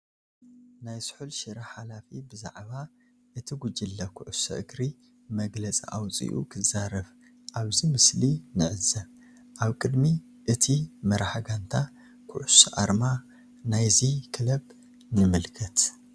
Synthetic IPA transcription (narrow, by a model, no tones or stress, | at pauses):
najsħulʃɨɾɐħalafibɨza̰ʕβa | ʔɨt̪ʰiɡud͡ʒilːɐkʰʊʕusɐ̰ʔɨɡɾi | mɐɡlɐt͡sʼḭʔa̰wt͡sʼḭʔṵkʰɨzaɾɐβ | ʔaβzimɨslinɨʕɨzɐβ | ʔaβkʼɨd̪mi | ʔɨt̪ʰimɐɾaħɡant̪ʰa | kʰʊʕʊsɐʔa̰ɾma | najzikʰɨlɐb | nɨmɨlkʰɐt̪